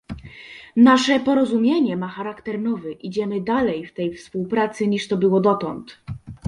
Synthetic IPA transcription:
naʂɛpɔɾɔzumʲjeɲɛmaxaɾakt̪ɛɾnɔvɘʔid͡ʑɛmɘd̪alɛjft̪ɛjfspuwpɾat̪sɘɲiʂt̪ɔbɘwɔd̪ɔt̪ɔnt̪

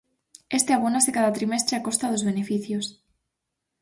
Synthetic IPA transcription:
est̪eaβ̞onasekaðat̪ɾimest̪ɾeakost̪aðozβenefiθjos

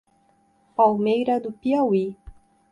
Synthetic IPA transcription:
pawmejɾɐd̪ʊpiawi

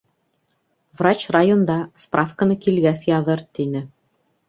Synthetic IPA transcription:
vrat͡ɕrajond̪ɑsprɑfkə̆nɤkilɡæsjɑðɤɾt̪inɘ

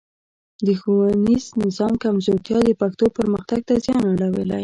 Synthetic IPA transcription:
d̪əxowaniznɪzɑmkamzot̪jɑd̪əpakt̪opəɾməxt̪aɡ̚t̪azjɑnaɽawəla̰j

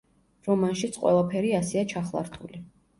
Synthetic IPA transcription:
ɾɔmanʃit̪sʰqʼwɛ̰lˠapʰɛɾiasɛat͡ʃʰaχlˠa̰ɾt̪ʼʰṵli

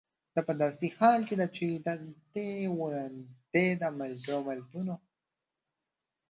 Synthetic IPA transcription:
d̪̥apəd̪ɑsihɑːlked̪at͡ʃid̪ad̪ewɾand̪ed̪amalɡomalt̪uno

